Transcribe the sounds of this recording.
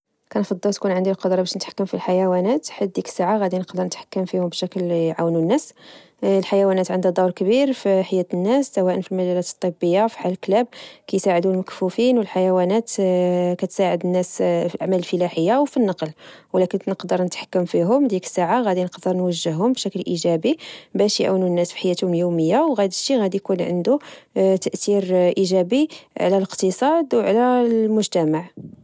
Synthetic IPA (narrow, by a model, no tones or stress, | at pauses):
kænfɑd̪ˤːɑlt̪kunʕənd̪ilqɑd̪ɾˤɑbæʃnət̪ħḁkːəmfilħajæwænæt̪ħəd̪̚d̪ikə̥saʕaɣæd̪inəqd̪əɾnət̪ħḁkːəmfihʊmbʃæklʕawnunːæs | lħajæwænæt̪ʕənd̪hæd̪ˤɑwɾˤkbiɾfiħajːæt̪ənːæsːæwæʔənfilmæʒælːæt̪t̪ˤːəbːəjːafi̥ħaləlklæb̚kæjsaʕəd̪uəlməkfufinwəlħajæwænæt̪kæt̪saʕəd̪ənːæsfilʔaʕmæləlfəlæħəjːawfinːɑqlwlækənnəqd̪əɾˤnət̪ħḁkːəmfiɦʊmd̪ikə̥sːaʕaɣæd̪inəqd̪əɾˤnwəʒːəhːʊmbʃæklʔiʒæbibæʃjʕununːæsfi̥ħajːæt̪hʊmljuməjːawɣæd̪əʃiɣæd̪ijkunʕə̰nd̪ut̪əʔt̪iɾʔiʒæbiʕa̰læləqt̪əsˤɑd̪wʕlælmʊʒt̪æmaʕ